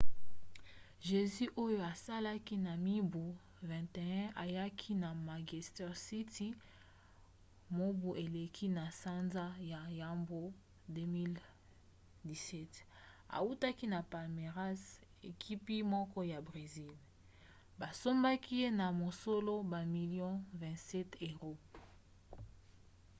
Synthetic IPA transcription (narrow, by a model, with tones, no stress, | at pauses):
ʒe˨zy˦ʔo˦jo˦a˨sa˦la˦ki˦na˨mi˦bu˨ | vɛ̃˨te˨ɛ̃˦ʔa˨ja˦kʰi˦na˨ma˨ɡi˨stɛ˦ʁsi˦ti˦ | mo˦bu˨ʔe˨le˨kʰi˦na˨sa˦nza˦ja˨ja˨mbo˦ | de˦mi˦l | di˨sɛ˦ta̰˨u˦ta˦ki˦na˨pa˨lme˨ʁa˦s | ḛ˨kʰi˦pi˦mɔ˦kɔ˦ja˨bʁe˨zi˦l | ba˨so˦mba˦ki˦je˦na˨mo˨so˦lo˦ba˨mi˨ljɔ̃˦vɛ̃˨tsɛ˦te˨ʁo˦